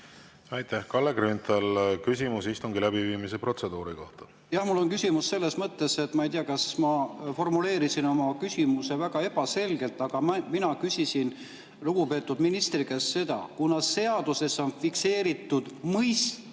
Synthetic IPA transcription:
ɑjt̪æhkɑlːeɡɾynt̪ˑɑlkysʲimusist̪uŋɡilæbiviːmise̞pro̞t̪se̞d̪uːɾiko̞ht̪ɑ̥ | jɑhmulːo̞nkysʲimusːe̞lːesmɤt̪ːe̞se̞t̪ːˑmɑejt̪iɑkɑsmɑfo̞rmule̞ːɾisino̞mɑkysʲimuse̞væɡ̥ɑe̞b̥ɑse̞lɡ̥e̞lt̪ːˑɑɡ̥ɑmminɑkysʲisin | luɡ̥upe̞ːt̪ːˑud̪̥minist̪riɡesːe̞d̪ɑ̰kunɑsːe̞ɑd̪̥use̞so̞nfikse̞ːɾit̪ːˑud̪̥mɤjs

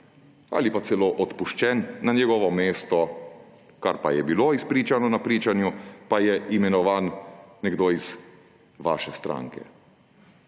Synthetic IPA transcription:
a̰ːlipat̪sɛloːʔɔt̪puʃt͡ʃɛnːanjɛɡɔːʋɔmeːst̪ɔ | kaɾpajɛbiloispɾiːt͡ʃanɔnapɾiːt͡ʃanjupajɛʔimɛnɔʋanːɛɡd̪oiz̥ | ʋa̰ːʃɛst̪ɾa̰ŋkɛ̰

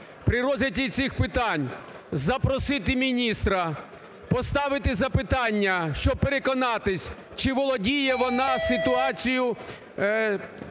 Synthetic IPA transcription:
pɾɪɾɔzɪt͡sʲijt̪sʲɪxpɪt̪ɑnʲ | zɐpɾɔsɪt̪ɪmʲinʲist̪ɾɐ | pɔst̪ɑʋɪt̪ɪzɐpɪt̪ɑnʲːɐʃt͡ʃɔb̚peɾekɔnɑt̪ɪsʲ | t͡ʃɪʋɔlˠɔdʲijɛʋɔnɑsɪt̪ʊɑt͡sʲijʊ

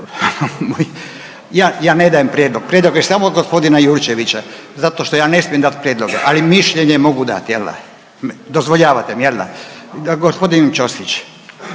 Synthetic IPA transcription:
moj | jaːjaːned̪ajempɾjed̪lˠo̞ɡ̚pɾjed̪lo̞ɡjesamoːd̪ɡospo̞d̪inajuɾt͡ʃeʋit͡ɕazat̪o̞ʃt̪ojaːne̞smijemd̪at̪pɾjed̪loɡḛʔalimiʃʎeɲemo̞ɡud̪a̰t̪jelːa̰ | md̪ozʋo̞ʎaːʋat̪emjelːa̰ɡospo̞d̪int͡ʃost̪it͡ɕ

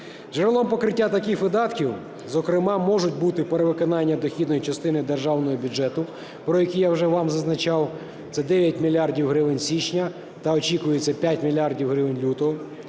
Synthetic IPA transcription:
t͡ʃɛɾlˠɔmpɔkɾɪtʲːat̪ɐkixʋɪd̪ɑt̪kʲiw | zɔkɾɪmɑmɔʒʊt̚ʲbut̪ɪpeɾeʋɪkɔnɑnʲːɐd̪ɔxʲid̪nɔjit͡ʃɐst̪ɪnɪd̪erʒɑwnɔɦɔbʲud͡ʒɛt̪ʊ | pɾɔjɐkʲijawʒɛʋɑmzɐznɐt͡ʃɑw | t̪sɛd̪ɛʋʲjɐt̚ʲmʲilʲːɑrdʲiwɦɾɪʋɪnʲsʲit͡ʃnʲɐ | t̪ɐɔt͡ʃikʊjet͡sʲːɐpʲjatʲmʲilʲardʲiwɦɾɪʋɪnʲlʲut̪ɔɦɔ

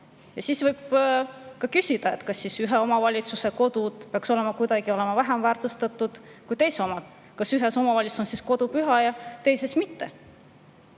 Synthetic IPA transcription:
jɑsisvɤjb̥ | kɑkysʲid̪̥ɑe̞t̪ːˑkɑsːisyɦe̞o̞mɑvɑlʲit̪suse̞ko̞d̪̥ud̪̥peɑkso̞le̞mɑkujd̪ɑɡ̥io̞le̞mɑvæɦemvæːrt̪ust̪ɑt̪ːˑud̪̥ | kujt̪e̞jseo̞mɑd̪̥ | kɑsyɦe̞so̞mɑvɑlʲisonsisko̞d̪̥upyɦɑjɑt̪e̞jsesmit̪ːe̞

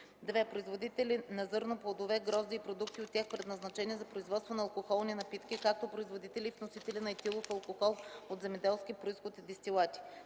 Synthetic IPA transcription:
d̪vɛpɾoizvod̪it̪ɛlʲinɐzɤɾnoplˠɐd̪ovɛɡɾɔzd̪iːpɾod̪ukt̪iot̪ːʲjaxpɾɛd̪nɐznɐt͡ʃɛnʲiɛzɐpɾoizvɔt̪st̪vonɐɐlˠkoxɔlˠninɐpit̪kikak̚t̪opɾoizvod̪it̪ɛlʲifnosit̪ɛlʲinɐɛt̪ilˠofɐlˠkoxɔlˠot̪zɛmɛd̪ɛlˠskʲipɾoisxot̪d̪ist̪ʲilˠat̪ʲi̥

